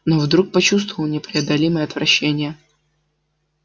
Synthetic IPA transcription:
novd̪ɾuk̚pɐt͡ɕust̪və̥vəlˠnʲɪpɾʲɪɐd̪ɐlʲiməjəɐt̪vɾʔɐɕːenʲɪjə

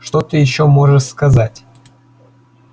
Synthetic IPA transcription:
ʂt̪ot̪ɨjɪɕːomoʐəʂskazatʲ

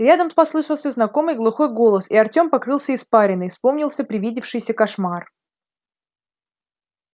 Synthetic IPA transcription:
ɾʲad̪əmpɐslˠɨʂəlˠsʲəznɐko̞mɨjɡlˠʊxo̞jɡo̞lˠəsiɐrtʲo̞mpɐkɾɨlˠsʲəɪspaɾʲɪnɨjfspo̞mnʲɪlˠsʲəpɾʲɪvʲidʲɪfʂɨjsʲəkɐʂmar

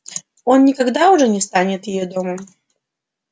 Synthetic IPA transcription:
onːʲɪkɐɡd̪aʊʐɛnʲɪst̪anʲɪt̪jɪjɛd̪ɔməm

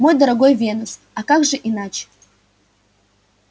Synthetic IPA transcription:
mojd̪ɐɾɐɡojvʲenɨs | akakʐɨʔinat͡ɕe̥

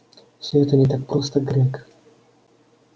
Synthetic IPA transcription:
sʲɔɛt̪ɔnʲɛt̪ak̚pɾost̪ɐɡɾʲɛk

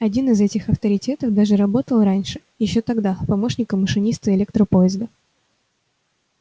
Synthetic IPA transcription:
ɐdʲinɨzɛtʲɪxɐft̪əɾʲɪtʲe̞t̪əfd̪aʐɨɾɐbo̞t̪əlˠɾanʲʂɨ̥ | jɪɕːo̞t̪ɐɡd̪apɐmo̞ʂnʲɪkəməʂɨnʲist̪ɨɪlʲek̚t̪ɾəpoɪzd̪ə

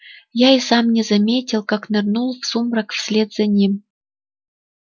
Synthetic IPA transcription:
jaisɑmnʲɛzɐmʲetʲɪlˠkaknɐrnulˠfsumɾakfsʲlʲed̪z̥ɐnʲim

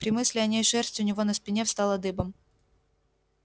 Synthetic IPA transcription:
pɾʲɪmɨsʲlʲɪɐnʲejʂɛrstʲʊnʲɪvo̞nəspʲɪnʲefst̪ɑlˠɐd̪ɨbəm

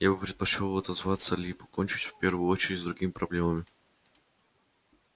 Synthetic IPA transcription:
jabɨpɾʲɪt̪̚pɐt͡ɕolˠɐt̪ɐzvat̪səlʲipɐkonʲt͡ɕɪtʲfʲpʲe̞rvʊjʊot͡ɕɪɾʲɪtʲzd̪ɾʊɡʲimʲɪpɾɐblʲe̞məmʲɪ

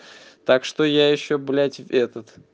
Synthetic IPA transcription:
t̪akʂt̪ojajɪɕːoblʲætʲvɛt̪ət̪

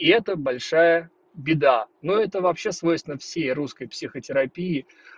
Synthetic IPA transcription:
ɪɛt̪əbɐlʲʂajə | bʲɪd̪anoɛt̪əvɐpɕːesvojst̪ʲɪnəfsʲejruskəjpsʲixətʲɪɾɐpʲiɪ

